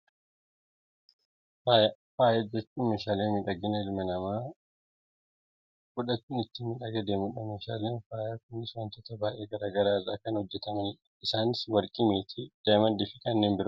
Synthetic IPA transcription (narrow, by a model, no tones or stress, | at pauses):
faːjɐfaːjɐd͡ʒɛt͡ʃːuːmeːʃaːleːnmɪᶑɐɡɪnɐɪlmɐnɐmaː | kʊᶑɐt͡ʃːʊnɪt̪ːɪnmːɪᶑɐɡɛd̪eːmʊᶑɐmeːʃa̰ːleːnfaːjaːkʊnːɪswɐnt̪ɔt̪ɐbaːʔe̞ːɡɐɾaːɡɐɾaːɪrːaːkɐnhɔd͡ʒːɛt̪ɐmɐn | ɪsaːnɪswɐɾkʼɪmeːt̪ʰɪd̪̥ɐmɐnd̪ɪfɪkɐnːeːnbɪɾɐ